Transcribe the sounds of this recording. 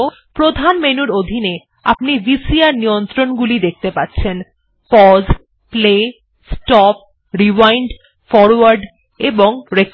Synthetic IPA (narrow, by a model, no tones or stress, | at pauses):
pɾod̪ʱanmenuɾod̪ʱine | apnibisiaɾnijont̪ɾonɡulid̪ek̚ʰt̪epatːɕʰen | pɔz | ple | sʈɔp̚ | ɾiwajɳɖ | fɔɾwaɾɖ | eboŋɾek